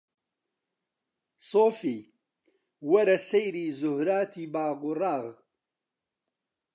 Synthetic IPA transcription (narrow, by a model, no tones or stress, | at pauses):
soːfiː | wɐɾɐsejɾiːzʊhɾaːt̪ʰiːbaːɡʊraːɣ